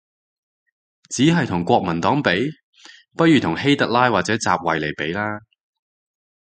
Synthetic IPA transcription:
t͡siː˨˥ɦɐ˨jt̪ʰʊ˨˩ŋkʷɔː˧k̚mɐ˨˩nt̪ɔː˨˥ŋpe˨˥j | pɐ˥t̚jyː˨t̪ʰʊ˨˩ŋhe˥jt̪ɐ˨˧k̚laː˥jwaː˨t͡sɛː˨˥t͡saː˨p̚wɐ˨˩jle˨˩jpe˨˥jlaː˥

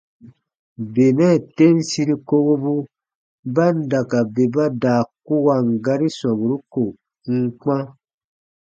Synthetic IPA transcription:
be˨nɛ˦˨te˦n̩˦si˧˦ɾi˦ko˧ɡo˦bu˦ | ba˦n̩˦da˨ka˨be˨ba˦daː˨ku˦wa˧˨ŋ̩˨ɡa˧ɾi˦sã˨bu˨ɾu˦ko˨ | ŋ̩˦k͡pã˦

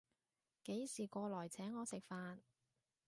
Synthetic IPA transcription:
ke˨˥jsiː˨˩kʷɔː˧lɔː˨˩jt͡sʰɛː˨˥ŋːɔː˨˧sɪ˨k̚faː˧n

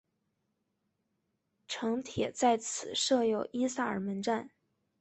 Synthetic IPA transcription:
ʈ͡ʂʰɤ˧˥ŋt̪ʰjɛ˨˩t͡sa˥˩ɪt͡sʰɹ̩˨˩ʂɤ˥˧jo˥˩ʊʔi˥sa˥˩ə̰˞˨˩mə˧˥nʈ͡ʂa˥˩n

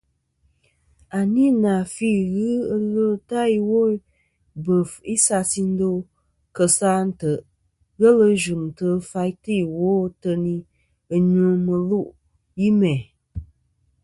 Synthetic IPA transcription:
a˨ni˦na˨fi˦ɣɨ˦ə˦lə˦ta˦i˨wo˦ | bə˨fi˦sa˧si˦n̩˦do˦ | kə˨sa˦n̩˦tə˨ | ɣə˦lə˦˧ʒu˨n˨tə˦fa˧i˦tɨ˦˨wo˦tə˧ni˦ | ə˨ɲũ˦mə˨lu˦ʔ | ji˦mɛ˨

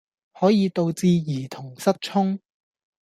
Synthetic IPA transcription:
hɔː˨˥jiː˨˧t̪o˧wt͡siː˧jiː˨˩t̪ʰʊ˨˩ŋsɐ˥t̚t͡ʃʰʊ˥ŋ

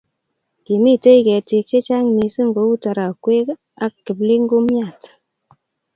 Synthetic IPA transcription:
ki˨mi˦˨te˦i˦kɛ˨ti˧k̚t͡ʃe˦t͡ʃa˦ŋ˨mi˨sɨ˦ŋɡo˨˦u˦ta˧ɾa˨kwe˦k | a˦kːi˨bli˦ŋ˦ɡu˦mja˦˨t

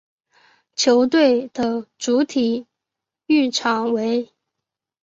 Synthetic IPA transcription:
t͡ɕʰjo˧˥ʊt̪̬we˥˩ɪd̪̥ə˨ʈ͡ʂu˧˥t̪ʰi˨˩ | y˥˩ʈ͡ʂʰɑ˧˥ŋwe˧˥ɪ

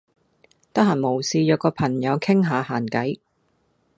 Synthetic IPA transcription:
t̪ɐ˥k̚haː˨˩nmo˨˩wsiː˧jœː˨˧kɔː˧pʰɐ˨˩ŋjɐ˨˧wkʰɪ˥ŋɦaː˨˧haː˨˩nkɐ˨˥j

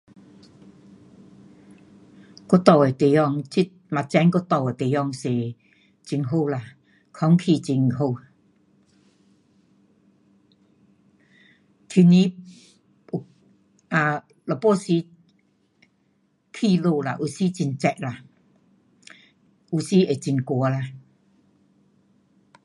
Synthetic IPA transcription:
kɔ˧˦t̪ɔ˧˨we˨t̪e˨jɔ˧˨ŋt͡ɕi˦˧ma˨t͡sɛ˧˦nkɔ˧t̪ɔ˧˩we˨t̪e˨jɔ˧ŋse˨ | t͡ɕi˧˩ŋɦo˧wla˨ | kʰɔ˧˦ŋkʰi˧˨t͡ɕi˧ŋɦo˧˨ | k̪ʰi˧ni˧˦ | u˨ | a˨˧˨ | lɔ˨˩pɔ˧˦si˧˦ | kʰi˧lo˧la̰˨ʔu˨˩si˧˦t͡ɕi˧nt͡sɛ˧k̚la˨ | u˨˧˩si˧˦e˨˩t͡ɕi˧nkwɔ˧˦la˧˨

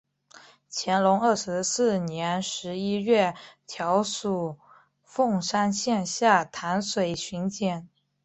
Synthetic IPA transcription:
t͡ɕʰjɛ˧˥nlʊ˧˥ŋə˞˥˩ʂɻ̩˧˥sɹ̩˥˩njɛ˧˥nʂɻ̩˧˥i˥ɥɛ˥˩t̪ʰjɑ˧˥ʊʂu˨˩ | fʊ˥˩ŋʂa˥nɕjɛ˥˧nɕja˥˩t̪ʰa˧˥nswe˨˩ɪɕy˧˥nt͡ɕjɛ˨˩˦n

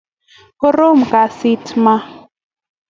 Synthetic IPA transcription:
ho˦ɾo˦m̩˨ka˨si˦tʰma˦

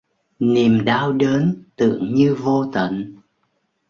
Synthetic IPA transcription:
ni˨˩mɗaː˧wɗeː˨˦nt̪ɨ̰˧˨əŋɲɨ˧vo˧t̪ə̰˧˨n

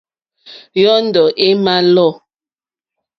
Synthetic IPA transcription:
jɔ˦n̩˦dɔ˨ʔe˦ma˦lɔ˦˨

